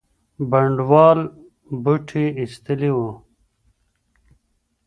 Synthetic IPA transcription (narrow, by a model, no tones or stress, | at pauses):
bɐɳɖwaːl | buʈʰiist̪iliwo